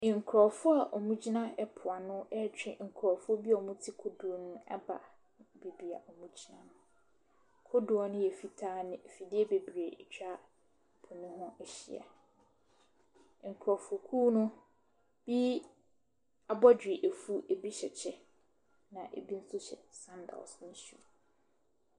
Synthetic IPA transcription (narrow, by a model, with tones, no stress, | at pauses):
ŋ̩˨kʰɾɔ˨fʊ˦a˨ʔɔ˨mũ˦d͡ʑi˦nã˦ɛ˦pʰʊ˨a˨nʊ̃˦ɛ˦t͡ɕᶣɪ̰˨ŋ̩˨kʰɾɔ˨fʊ˦ɔ˦bi˦ɔ˨mũ˦tʰi˦kʰo˦du˨ɔ˨nʊ̃˦ɛ̰˦ba̰˨ | be˨bi˨a˨ʔɔ˨mũ˦d͡ʑi˦nã˨nʊ̃˦˨ | kʰo˦du˨ɔ˨nʊ̃˦jɛ˨fi˨tʰaː˦nɪ̃˦˨fi˨dɪ˦ɛ˦be˨bi˨e˨ɛ̰˨t͡ɕᶣa˦ | pʰʊ̃˨nʊ̃˦ɦʊ̃˦ɛ˨ɕḭ˨a̰˨ | ŋ̩˨kʰɾɔ˨fo˨kʰuː˦nʊ̃˦ | b̥i˦ | a˨bɔ˦d͡ʑᶣɪ˨ʔe˨fu˦ʔe˨bi˦ɕɛ˨t͡ɕʰɛ˨ | nã˨ʔḛ˨bi˦n̩˦sʊ˦ɕɛ̰˨sã˦nda̰˨sn̩˦sṵ˦